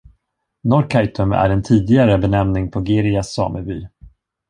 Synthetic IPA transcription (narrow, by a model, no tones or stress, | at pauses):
nɔɾkʰajt̪ɵmæ̰ɾɛnt̪ʰiːd̪ɪɡaɾəbɛnɛmnɪŋpʰɔɡeɾɪasːɑ̰ːməɾbyː